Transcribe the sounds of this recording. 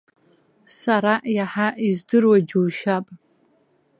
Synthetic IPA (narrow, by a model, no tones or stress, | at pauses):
saɾaʔjaħaʔizdɨrwad͡ʒuwʃapʼ